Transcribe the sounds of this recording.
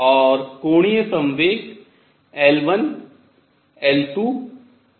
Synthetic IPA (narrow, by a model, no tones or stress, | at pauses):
ɔːɾkoːɽ̃ijəsɐ̃mʋeːk | ɛlʋən | ɛːlʈuː